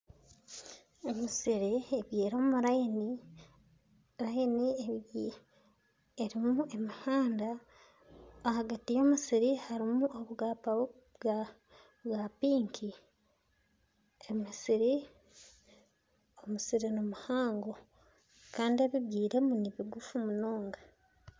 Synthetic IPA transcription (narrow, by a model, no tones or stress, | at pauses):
e̞misiɾieβjiːɾoumuɾani | ɾajinie | eɾimue̞mihaːnda | haɡatijo̞musiɾihaɾimuʔoβuɡaa | βwapiːŋkʰi | emisiɾi | omusiɾinumuhaːŋɡo̞ | kaːndieβiβɡiːɾe̞muniβiɡufumunoːŋɡa